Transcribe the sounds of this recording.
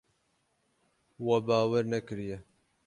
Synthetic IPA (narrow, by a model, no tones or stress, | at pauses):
wɐbaːwɛɾnɛkɨɾijɛ